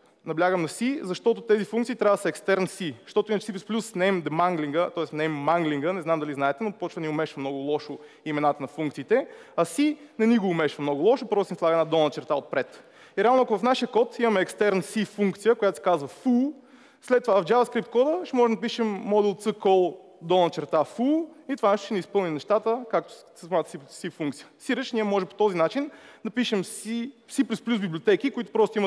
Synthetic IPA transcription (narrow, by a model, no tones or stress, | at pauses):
nɐblʲaɡəmnɐsizɐʃt̪ɔt̪ot̪ɛzifuŋkt̪siːt̪ɾʲavəd̪əsɐɛkst̪ɛɾnsiʃt̪ɔt̪ʊinət͡ʃɛsipɛsplʲusnɛjmd̪ɛmaŋɡliŋɡət̪ɔɛsnɛjmːaŋɡliŋɡənɛznamd̪ɐliznaɛt̪ɛnopɔt͡ʃvənʲiʊmɛʃvəmnɔɡʊlˠɔʃo | imɛnat̪ənɐfuŋkt̪siːt̪ɛɐsinɛniɡoːmɛʃvɐmnɔɡʊlˠɔʃopəɾvosinslˠaɡəɛnad̪ɔnət͡ʃɛɾt̪aot̪̚pɾɛt̪ | iɾɛalˠnoakʊvɐfnaʃijəkɔt̪imɐmɛːkst̪ɛɾnəsifuŋkt̪sijəkojat̪osi̥kazvəfu | slɛt̪ːovavvd͡ʒavəskɾipt̪̚kɔd̪əʃt̪ɛmɔʒɛmd̪ɐp̬iʃɛmːɔd̪ɛlˠt̪səkɔlˠd̪ɔnət͡ʃɛɾt̪afuit̪ovanɛʃt̪ʃɛnispɤlˠnimnɛʃt̪at̪əkak̚t̪o̥səsnat̪sisifuŋkt̪sijəsiɾəʃniɛmɔʒɛpo̥t̪ɔzinat͡ʃind̪ɐpiʃɛmsisiplʲsplʲusbiblʲiot̪ɛkikoit̪ʊ̥pɾɔst̪oʊimə